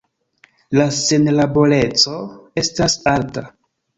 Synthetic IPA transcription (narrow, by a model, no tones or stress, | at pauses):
lase̞nlabo̞le̞t͡so̞e̞stasalta